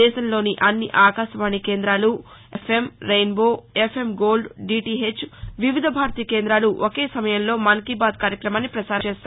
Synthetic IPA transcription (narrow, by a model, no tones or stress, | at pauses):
ɛːʃɐnlo̞ːniʔɐnːiʔaːkaːʃɐʋaːɳːikeːnd̪ɾaːlu | epʰe̞mɾejnbo̞ːepʰe̞mɡoːlɖɖiːʈiɦet͡ʃːʋiʋid̪ʱɐbʱaːɾt̪iːɐkeːnd̪ɾaːluʔoke̞ːsɐmɐjɐnlo̞ːmɐŋkibaːd̪̚kaːɾjɐkɾɐmaːnːipɾɐt͡ʃaːɾeːst̪ː